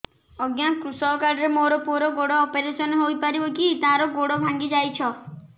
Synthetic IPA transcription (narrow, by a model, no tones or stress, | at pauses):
ɔɡjakɾusɔkaɾɾemoɾɔpuɾɔɡoɽɔːpeɾesɔnɦojpaɾibɔkit̪ãɾɔɡoɽɔbʱãŋɡid͡ʒajt͡ʃʰɔ